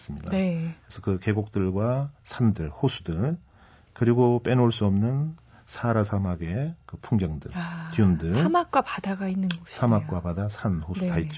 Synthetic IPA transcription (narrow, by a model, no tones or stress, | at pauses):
s͈ɯmɲida̰ekɯɾesʰʌkɯke̞ɡok̚t͈ɯɭɡwasʰandɯɭhosʰu̥dɯn | kɯɾiɡop͈e̞noɭs͈uʌmnɯn | sʰaɾasʰamaɡe̞kɯpʰuŋɡjʌŋdɯ̰ɭkiundɯsɭamak̚k͈wapadaɡainːɯnɡʌsʰamakk͈wapadasʰanhosʰtait͡ɕ͈